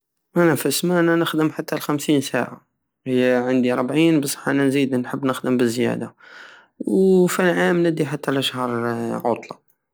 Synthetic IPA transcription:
ʔænæfəsmæʔænænəxd̪əmħat̪ːælxæmsinsaʕa̰ | həjːæʕand̪iɾˤbʕinbəsˤɑ̥ħʔænænzid̪nħəbːnəxd̪əmbəzjæ̰d̪a | wfilʕamnəd̪iħat̪ːælʔəʃhɑɾˤʕot̪ˤlɑ̰

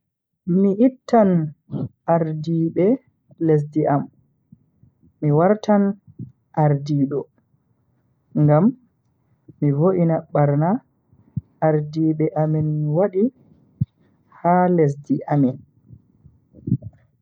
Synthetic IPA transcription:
miʔitːan | ʔaɾdiɓɛ | les̬diʔam | iwaɾtʰan | ʔaɾdiːɗɔ | ŋɡamː | ivoʔinaɓaɾna | ʔːɾdiːɓɛʔaminwaɗi | hales̬diʔamin

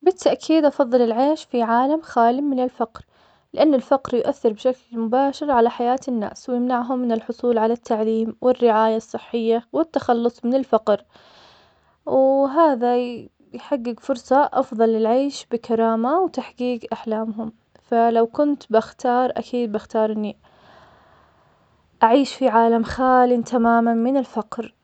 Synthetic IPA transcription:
bɪt̪ːaʔkʰiːd̪ʔɑfɑðˤːɨlɪlʕeːʃfiʕaːlamxaːlɪmmɪnɪlfaqɾ | lɪʔanːɪlfɑqɾjʊʔaθːɪɾbɪʃaklmʊbaːʃɪɾʕalaħajaːt̪ɪnːa̰ːswjɪmnaʕɦʊmːɪnɪlħʊsˤuːlʕalat̪ːaʕliːmwʔɪrːɪʕaːjasˤːɨħːɪjːawɪt̪ːaxɑlːʊsˤmɪnɪlfaqɾ | wɦaːða | jħaɡːɪɡfʊɾsˤɑʔɑfðˤɑlːɪlʕeːʃbɪkaɾˤɑːmawt̪aħɡiːɡʔaħlaːmɦʊm | falawkʊnt̪bɪxt̪ɑːɾˤʔa̰kʰiːd̪̚bɪxt̪ɑːɾˤʔɪnːi | ʔaʕiːʃfiʕaːlamxaːlɪnt̪amaːmanmɪnɪlfaqɾ

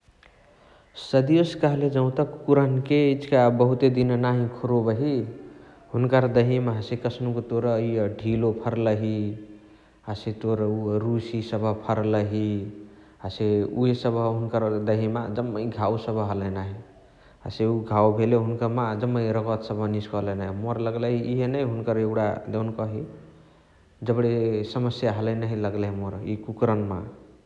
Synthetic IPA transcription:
səd̪ioskəɦled͡ʒə̃ʊ̃t̪əkːuɾənkeit͡ʃʰkabəɦut̪ed̪innaɦĩkʰoɾobəɦi | ɦunkəɾd̪əɦimaɦsekəsʰnukot̪oɾəiəɖʱilopʰəɾləɦi | aset̪oɾəuɾusisəbʱəpʰəɾləɦi | aseuesəbʱəɦunkəɾd̪əɦimad͡ʒəmːəiɡʱawsəbʱɦələnaɦi | aseuɡʱawbʱeleɦunkəɾmad͡ʒəmːəj̃ɾəkət̪səbʱəniskɔlənaɦimoɾləɡləɦiiɦenəjɦunkəɾewɽa̰d̪ewnkʌɦi | d͡ʒəbɽesəməsjaɦələjnaɦiləɡləɦimoɾikukɾənma̰

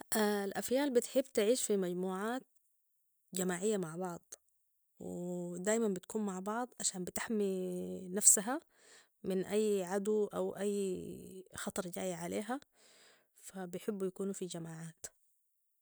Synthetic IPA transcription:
ʔalʔafjaːlbɪt̪ħɪbːt̪ɪʕiːʃfimaɟmuːʕaːt̪̚ | d͡ʒamaːʕɪjːamaʕbɑʕd̪ˤ | w̰d̪aːjmambɪt̪kuːnmaʕbɑʕd̪ˤʕaʃaːmbɪt̪ɪħminafsaɦa | mɪnʔajːʕad̪uʔawʔajː | xɑt̪ˤɑɾˤd͡ʒa̰ːjʕaleːɦa | fabɪjħɪbːjakuːnufid͡ʒamaːʕaːt̪

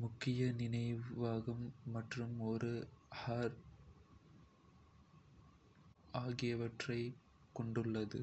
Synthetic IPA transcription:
mʊkːɪjɐnɪnɐɪʋʋaːɣɐmːɐʈrɯmɔɾɯhaːɾ | aːɣɪjɐʋɐʈrɐɪ | kɔɳɖɯɭːɐðɯ̰

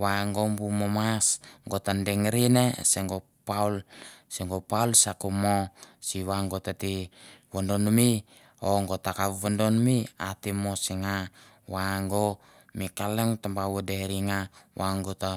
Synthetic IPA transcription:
waŋɡombumomasŋɡotandeŋɾineseŋɡo | paulseŋɡopaulsakumosiwaŋɡotatiwondonumi | oŋɡot̪akawwondonumiatimosiŋa | waŋɡo | mikaleŋt̪ambawodeɾiŋawaŋɡota

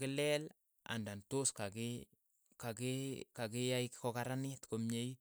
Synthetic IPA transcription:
kɪlɛl | a̰ndantoskakɪ | kakikakɪjaɪkkɔkaɾanɪtkomɲeji

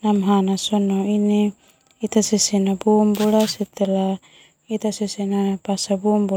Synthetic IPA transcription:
namɦanasonoini | it̪asesenabumbulaset̪ela | it̪asesenapasabumbu

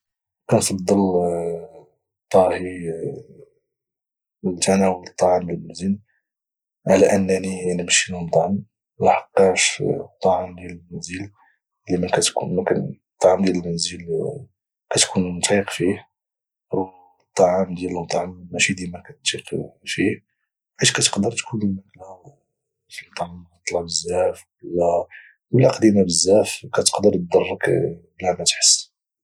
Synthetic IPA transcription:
kænfɑd̪ˤːəl | t̪ˤːɑhi | lt̪ʰænæwələt̪ˤːɑʕamləlmæzin | ʕalæʔənːæninimʃilmt̪ˤʕəm | læħɑqːɑʃt̪ˤːɑʕamd̪jællmænzəl | limækæt̪kṵnmækæ̰n | t̪ˤːɑʕamd̪jæləlmænzəl | kæt̪kʰunmt̪iqfih | w | t̪ˤːɑʕamd̪jæləlmt̪ˤːɑʕammæʃid̪ælmækæt̪iqfi | ʕiʃkæt̪ə̥qd̪əɾt̪kunəlmæklæ | fimt̪ˤɑlt̪ˤlɑʕbəzːæfwəlːæ | wəlːæqd̪imabəzːæfkæt̪ə̥qd̪əɾt̪̚d̪ɑrˤːəkbæmæt̪ħə̥sː

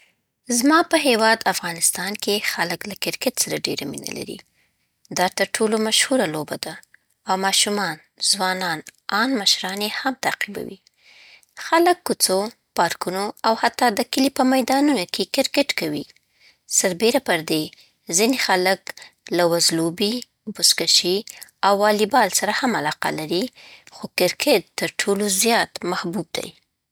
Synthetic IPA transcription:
zmɑpəɦewɑd̪afɣɑnɪst̪ɑnkexaləklakɪɾkɪʈsaɾaɖeɾamḭna̰la̰ɾḭ | d̪ɑt̪əɾʈʰolomaʃhuɾalobad̪a | awmɑʃumɑn | zwɑnɑnɑnmaʃɾɑnehamt̪aqiba̰wḭ | xaləkːut͡so | pɑɾkunoawhat̪ːɑd̪əkəlipəmajd̪ɑnunokʰekɪɾkɪʈkawḭ | saɾbeɾapəɾd̪e | zinexaləklawazlobi | bʊskaʃiawːɑlibɑlsaɾahamalɑqa̰laɾixokɪɾkʰeʈ̚t̪ːəɾʈʰolozjɑt̪mahbub̚d̪a̰j

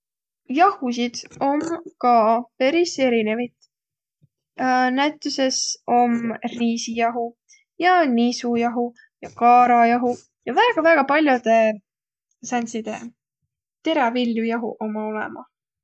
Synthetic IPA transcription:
jɑhus̬id̪̥o̞mkɑpe̞ɾise̞ɾine̞vit̪ | næt̪ːˑuse̞so̞mriːsijɑɦu | jɑnisujɑɦu | jɑkɑːɾɑjɑɦu | jɑvæːɡ̥ɑvæːɡ̥ɑpɑlʲjud̪̥e̞ | sænʲsid̪̥e̞̰ | t̪e̞ɾɑviljujɑɦuʔo̞mɑo̞lɛ̰mɑ̰

